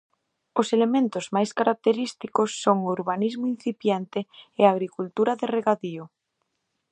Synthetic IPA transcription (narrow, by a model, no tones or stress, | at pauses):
oselemẽnt̪ozmajskaɾak̚t̪eɾist̪ikosːoŋouɾβanizmoin̟θipjent̪eːaɣ̞ɾikult̪uɾaðereɣaðio